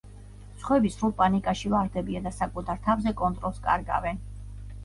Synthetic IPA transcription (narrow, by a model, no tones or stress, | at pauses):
t̪sχwɛbisɾulˠpʼanikʼaʃivaɾd̪ɛbiad̪asakʼut̪ʰaɾt̪ʰavzɛkʼɔnt̪ʼɾɔlˠskʼa̰ɾɡa̰vɛn